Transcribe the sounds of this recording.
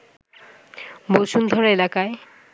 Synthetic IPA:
boʃund̪ʱɔɾelakae

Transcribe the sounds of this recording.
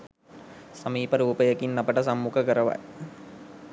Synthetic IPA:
səmiːpəɾuːpəjəkinːapəʈəsamːukəkəɾəʋa̰j

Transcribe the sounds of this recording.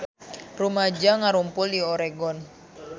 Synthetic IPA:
rumad͡ʒaŋaɾumpʊlioɾeɡɔn

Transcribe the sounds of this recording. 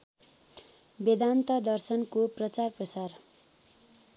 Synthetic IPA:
bed̪ant̪ʌd̪ʌrsʌnkoprʌt͡sarprʌsar

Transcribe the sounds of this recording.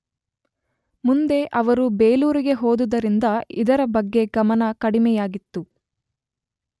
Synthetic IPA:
mund̪e̞ʔɐʋɐɾubeːluːɾiɡe̞ɦoːd̪ud̪ɐɾind̪ɐid̪ɐɾɐbɐɡːe̞ɡɐmɐnɐkɐɽimɛjaːɡit̪ːu

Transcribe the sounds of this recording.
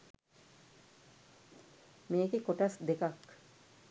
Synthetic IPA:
meːkekoʈasd̪ekak

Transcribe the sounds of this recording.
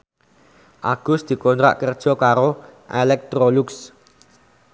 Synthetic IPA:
ʔaɡ̥ʊ̤sd̪̥i̤kɔnt̪ɾa̰ʔkərd̥ʒ̥ɔ̤kaɾoʔelɛk̚t̪ɾoluks

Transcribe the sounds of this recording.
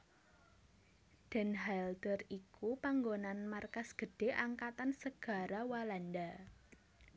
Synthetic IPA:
d̪̥ɛ̤nɦald̪ərikupaŋɡonanmarkasɡ̥ə̤ɖ̥e̤ʔaŋkat̪ansəɡ̥a̤ɾawalanda

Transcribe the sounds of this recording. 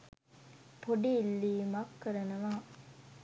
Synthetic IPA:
poɖiːlːiːmɐkːəɾɐnɐʋaː

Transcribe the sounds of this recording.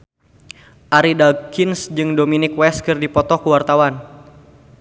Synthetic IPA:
ʔaɾidakinsd͡ʒɨŋdominɪkwɛskɨrdipɔt̪ɔkuwart̪awan

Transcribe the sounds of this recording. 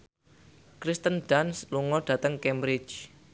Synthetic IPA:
kɾist̪ənɖansluŋɔɖ̥ä̤t̪əŋkɛmbɾɪt͡ʃ

